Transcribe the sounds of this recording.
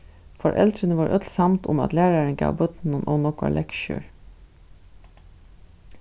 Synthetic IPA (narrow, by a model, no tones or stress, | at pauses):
fɔɾʔɛ̰ld̪ɾənəʋɑːɹʔœt̪lsɑmt̪ʰʊmɑ̰t̪læːɹɑɹəŋɡɑ̰ːʋbœt̪n̩ənʔɔ̰ːnɔkɑ̰ɭʔɛkʃʉ̰ːɹ